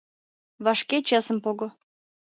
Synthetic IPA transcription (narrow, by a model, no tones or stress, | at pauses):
βɑʃket͡ɕɑsə̆mpoɣŏ